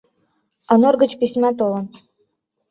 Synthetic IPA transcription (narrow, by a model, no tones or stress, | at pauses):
ɑnorɡə̆t͡ɕpisʲmʲæt̪olɤ̆n